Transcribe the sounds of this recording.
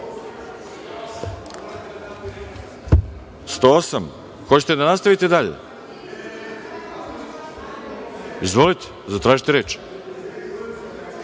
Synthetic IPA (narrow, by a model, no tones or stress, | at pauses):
st̪oːosam | xo̞t͡ɕe̥t̪ed̪anast̪aʋit̪ed̪aʎḛ | izʋo̞lit̪e̥ | zat̪ɾaːʒit̪eɾeːt͡ʃ